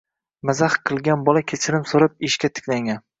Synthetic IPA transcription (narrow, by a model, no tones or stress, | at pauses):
mazaχqʰɨlˠɡʲanbɒlakʲʰet͡ʃʰɪɾɪmsoɾɪp̚ɪʃkʲat̪ʰɪ̥kʲlaŋʲan